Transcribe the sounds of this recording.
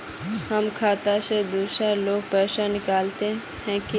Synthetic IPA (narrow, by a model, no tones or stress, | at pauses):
ɦəmkʰaːt̪ased̪uːsaloːɡ̚pɛːsanɪkaːlt̪e | ɦɛ̃ki